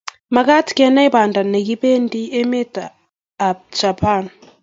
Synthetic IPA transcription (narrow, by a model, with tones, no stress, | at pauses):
ma˨ɡa˦tkɛ˦na˦i˦ba˨nda˨nːa˨ɡi˦be˦n˦di˦e˦me˦taː˨ | t͡ʃa˨pʰa˦˨n